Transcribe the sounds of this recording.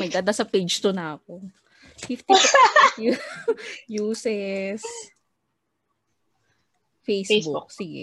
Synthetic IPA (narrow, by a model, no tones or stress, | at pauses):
mɐd̪aːd̪asɐped͡ʒt̪ʊnɐʔɐko | fift̪i | juːsɛs | fejsbuuk̚sɪɡɛ̰